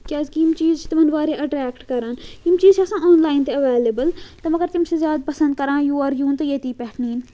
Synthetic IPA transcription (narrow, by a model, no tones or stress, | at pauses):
kʲaːzkimt͡ʃiːzt͡ʃt̪ɐmɐnʋaːɾeːʔɐʈɾɛːkʈkɐɾãːnimt͡ʃiːzɐsãːoːnlaːɪnt̪eɐʋeːlebəlt̪ɐmɐɡəɾt̪ɪmsezjaːd̪̚pɐsə̃nd̪̚kɐɾãːjuːɐɾjũːnt̪ɐjet̪iːpɛːʈniːn